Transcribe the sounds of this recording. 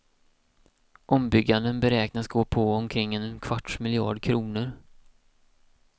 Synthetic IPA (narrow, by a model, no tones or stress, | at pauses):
ʔɔmbʏɡːand̪ənbɛɾɛːknasɡoːpʰɔɔmkʰɾɪŋːɛnkʰv̥aʈmɪlɪɑ̰ːɖkʰɾuːnəɾ